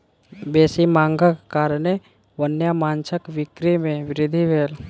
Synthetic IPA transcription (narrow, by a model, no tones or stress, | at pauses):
beːsimãːŋɡakkaːɾne | ʋənjamãːnt͡ʃəkʋɪkɾimẽʋɪɾɪd̪ʱiʋeːl